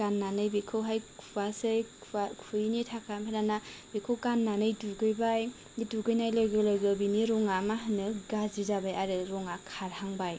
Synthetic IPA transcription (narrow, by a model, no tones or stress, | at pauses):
ɡanːanɯjbikʰɯwɦajkʰubasɯjʰkʰujnitʰakʰampʰananabekʰɯwkanːanɯjduɡɯjbaj | iduɡɯjnajlɯjɡɯlɯɡɯbiniɾɔŋamaɦɯnːɯɡazizabajaɾɯɾɔŋakʰaɾhaŋbaj